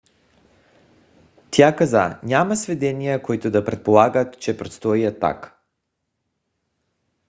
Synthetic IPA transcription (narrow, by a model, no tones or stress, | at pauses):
t̪jakazaɲʲamasvɛd̪ɛnijakoit̪od̪apɾɛt̪̚polˠaɡat̪t͡ʃɛpɾot̪st̪ɔiat̪ːa̰k